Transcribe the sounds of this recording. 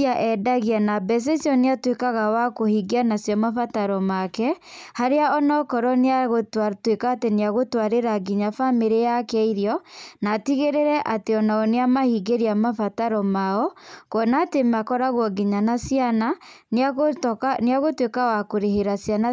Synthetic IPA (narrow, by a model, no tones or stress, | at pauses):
aʔɛdaɣeanabɛs̬esjɔneatwekaɣawakohiɡeanasjɔmafataɾɔmakɛhaɾeaʔɔnɔkɔɾɔneɣtwekaːteneaɣotwaɾeɾaɡiɲafameɾejakɛiɾjɔnaːtiɣeɾeɾɛʔateɔnaɔneamahiɡeɾiamafataɾɔmaɔkɔnatemakɔɾaɣwɔɡiɲanasjanan | neaɣotwekawakoɾeɦeɾasjana